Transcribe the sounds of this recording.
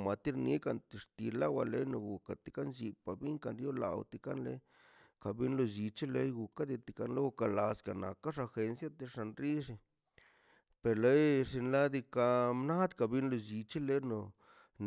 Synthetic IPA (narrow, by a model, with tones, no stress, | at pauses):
ma˨t̪i˦ɾnḭ˦ka˧nt̪i˨ʂt̪i˧la˦wa˧le˦jno˨ɡu˨ka˨t̪i˨ka˦nt͡ʃi˧pa˨bi˦ŋka˨nɾjo˦la̰˨wt̪i˧ka˦nlḛ˦ | ka˧bi˦nlo˧d͡ʒi˧t͡ʃi˦le˧˦jɡu˨ka˦d̪i˧t̪i˧˨ka˧nle˦ɡu˧ka˧˨la˨ska˨na̰˨kːa˦ʂa˧xe˧nsja˦t̪e˧ʂa˧nɾi˦ʂi˧ | pe˨ɾle˦jʂi˧nla˦d̪i˧ka˧mna˦d̪ka˨bi˦nlo˧d͡ʒi˧t͡ʃi˦le˦no˨ | n